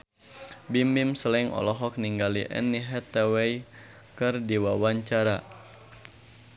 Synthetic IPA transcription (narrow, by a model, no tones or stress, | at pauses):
bimimsəlɛŋʔɔ̰lɔɦɔk̚niŋɡalḭʔɛ̰nːiɦɛt̪ɛwɛj | kɨrdiwawaɲt͡ʃaɾa